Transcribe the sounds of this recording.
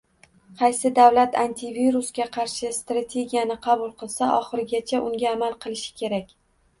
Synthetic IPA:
qʰɑjsɪd̪avlat̪ʰant̪ʰɪviɾusɡʲaqʰɑɾʃɪst̪ɾat̪ʰe̞ɡʲijanɪqʰɑbʊlˠqʰɨlˠsaʔɒχɨɾɪɡʲat͡ʃʰaʔʊŋɡʲaːmalˠqʰɨlˠɪʃɪ̥kʲʰe̞ɾakʲ

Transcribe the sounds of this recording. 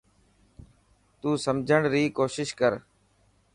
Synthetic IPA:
t̪uːsəmd͡ʒʱəɳɾiːkoːʃɪʃkəɾ

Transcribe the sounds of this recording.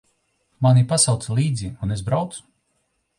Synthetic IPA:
manipasawt̪sɛlˠiːd̪ziunezbɾawt̪su̥

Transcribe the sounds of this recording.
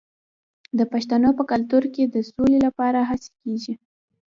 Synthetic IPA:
d̪əpaʃt̪anopəkalt̪uɾked̪əsolelapɑɾaɦase̥keʒi

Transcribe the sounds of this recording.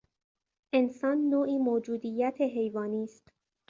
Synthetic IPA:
ʔe̞nsɒːnːoːʔiːmoːd͡ʒuːd̪iːjːæt̪ʰeɦe̞jvɒːniːst̪

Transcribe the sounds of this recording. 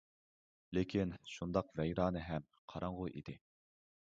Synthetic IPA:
lekʲʰinʃund̪ɑqvɛjɾɑːnɨɦɛm | qʰɑɾɑɴʁʊʔḭd̪̥ɪ

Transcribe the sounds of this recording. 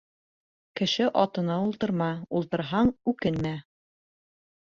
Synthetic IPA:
kɘ̆ʃɘʔɑt̪ɤ̆nɑulˠt̪ɤ̆ɾmɑulˠt̪ɤ̆ɾɦɑɴʉkɘnmæ

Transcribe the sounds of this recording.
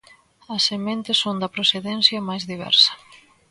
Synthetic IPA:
ɐsemẽnt̪ɪsond̪ɐpɾoθeðɛnθjɐmajzðiβɛ̰ɾsɐ̥

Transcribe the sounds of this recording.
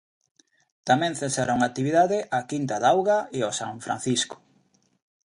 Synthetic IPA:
t̪amɛ̃ŋθesaɾauŋat̪iβiðaðɪʔakint̪aðawɣaeosa̰ɱfɾã̰nθisko̥

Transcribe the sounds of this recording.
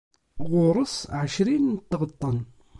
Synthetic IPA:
ʁʊɾˤəsʕəʃɾint̪ːʁət̪ˤːən

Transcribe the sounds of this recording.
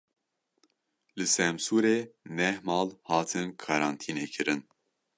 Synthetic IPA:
lɨsɛmsuːɾeːnɛhmɑːlhɑːt̪ʰɨnkʰɑɾɑːnt̪ʰiːneːkʰɨɾɨn

